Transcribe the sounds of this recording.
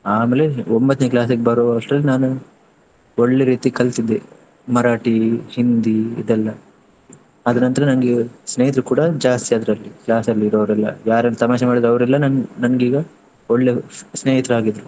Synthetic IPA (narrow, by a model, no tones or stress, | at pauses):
aːmeːle̞ombɐt̪ːneklaːs̬ɐɡebɐɾoɐʂʈɾɐlːinaːnu | oɭːe̞ɾiːt̪ikɐlt̪id̪ːe | mɐɾaːʈihind̪iḭd̪ɛlːɐ | ɐd̪ɐnɐnt̪ɐɾɐnɐŋɡesneːɦit̪ɾukuːɽɐd͡ʒaːst̪iad̪ɾɐlːiklaːsɐlːiiɾɐʋɾɛlːɐ̰jaːɾɐnːut̪ɐmaːʃɐmaːɽid̪ɾɐʋɐɾɛlːɐnɐnnɐnɡiːɡɐ | oɭːe̞sneːɦit̪ɾaːɡid̪ɾu